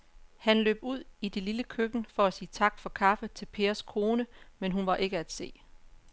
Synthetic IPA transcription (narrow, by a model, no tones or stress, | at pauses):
hænlø̰ːb̥uð̞̰ˠid̥e̝liləkʰøɡ̥n̩fɒ̽æsiːt͡sʰɑ̈ɡ̥fɒ̽kʰɑ̈fət͡sʰe̝lpʰe̝ːɐskʰo̝ːnəmenɦunʋɑ̈ʔe̝ɡ̥əæd̥se̝̰ː